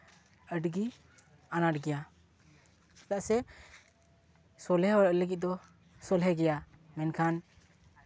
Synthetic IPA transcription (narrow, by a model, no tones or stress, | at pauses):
əɖɡi | anaʈɡɛja | sɛt̪aʔsɛ | sɔlɦɛɦɔlɔʔləɡit̪̚d̪ɔ | sɔlɦɛɡɛja | mɛnkʰan